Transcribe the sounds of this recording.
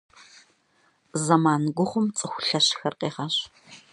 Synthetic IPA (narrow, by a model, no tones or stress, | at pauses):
zɐmaːnɡʷʊχʷʊmt͡sʼɨxʷʊɬɐɕxɐrqʼeːʁɐɕ